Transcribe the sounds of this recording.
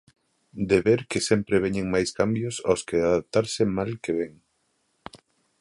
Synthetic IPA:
d̪eβeɾkɪsempɾeβ̞eɲeŋmajskambjososkeaðap̚t̪aɾsɪmalkeβeŋ

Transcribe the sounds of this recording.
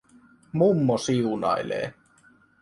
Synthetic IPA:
mumːosiunɑ̰jlḛː

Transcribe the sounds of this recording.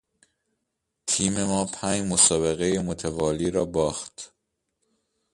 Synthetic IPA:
t̪ʰiːme̞mɒːpʰæɲd͡ʒmosɒːβeɣejemot̪ʰevɒːliːɾɒːbɒːxt̪

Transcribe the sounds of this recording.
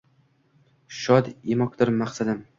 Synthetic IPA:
ʃɒd̪emɒqd̪ɪɾmaχsad̪ɪm

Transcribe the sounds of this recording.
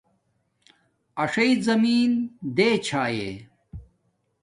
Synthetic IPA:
ɐʂɐizɐmiːnd̪eːt͡ɕʰaːjeː

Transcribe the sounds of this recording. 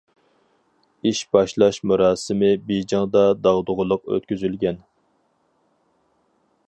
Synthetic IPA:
iʃbɑʃlˠɑʃmuɾɑːsɨmɪbijd͡ʒɑŋd̪ɑd̪ɑʁd̪ʊʁʊlˠəqø̰t̪kʲyzylɡʲɛn

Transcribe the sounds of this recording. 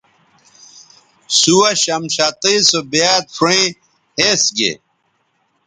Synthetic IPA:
suwɐɕɐmɕat̪isobjat̪̚pʰɾẽ | hesɡḛ

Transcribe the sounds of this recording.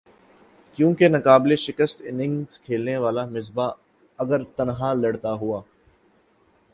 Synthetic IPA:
kjũːkenɐkaːbleʃɪkəst̪ɪnɪ̃ŋɡz̥kʰeːlneʋaːlamɪz̬ba | ɐɡəɾt̪ɐnɦalɐɽt̪aɦuaː

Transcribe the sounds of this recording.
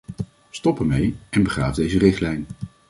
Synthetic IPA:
stɔpəɹmejɛnbəχra̰ːfdejzərɪχtlɛjn

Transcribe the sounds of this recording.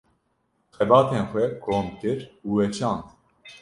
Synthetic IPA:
xɛbɑːt̪ʰeːnxʷɛkʰoːmt̪ʰɨɾuːwɛt͡ʃɑːn

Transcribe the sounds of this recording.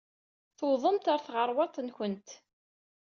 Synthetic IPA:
θwwðˤəmt̪aɾθʁəɾˤwɑt̪ˤnçənt̪

